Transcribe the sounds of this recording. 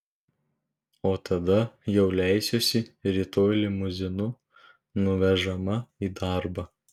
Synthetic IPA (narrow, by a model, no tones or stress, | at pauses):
oːt̪ɐd̪ɐjɛʊlʲæˑɪsʲosʲɪɾʲiːt̪oːlʲɪmʊzʲɪnʊ | nʊʋʲɛʒɐmɐiːd̪ɑˑɾbɐ